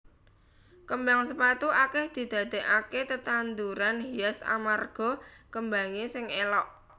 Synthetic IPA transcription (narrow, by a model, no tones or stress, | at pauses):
kəmbaŋsəpat̪uakɛhd̪̥i̤d̪̥ä̤d̪̥e̤ʔaket̪ət̪and̪uɾanɦiasa̰marɡ̥ɔ̤kəmbaŋesɪŋelɔʔ